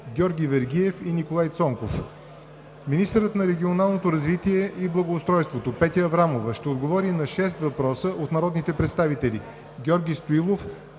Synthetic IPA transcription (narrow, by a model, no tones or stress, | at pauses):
ɡʲɔɾɡʲivɛɾɡʲiɛfinikolˠajt̪sɔŋkof | minist̪əɾət̪nɐɾɛɡʲionalˠnot̪oɾɐzvit̪iɛʔiblˠɐɡoːst̪ɾɔjst̪vot̪opɛt̪ʲəɐvɾamovəʃt̪ɛod̪ɡovɔɾinɐʃɛs̬t̪vɐpɾɔsəʔot̪nɐɾɔd̪nit̪ɛpɾɛt̪st̪avit̪ɛlʲi | ɡʲɔɾɡʲist̪oilˠof